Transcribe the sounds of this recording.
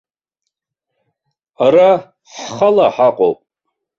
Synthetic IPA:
aɾa | ħχalaħaqʼo̰wpʼ

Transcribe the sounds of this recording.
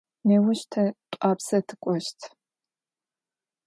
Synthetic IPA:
neːwʊɕtʰɐtʷʼaːpsɐtʰɨ̥kʷʼɔʃtʰ

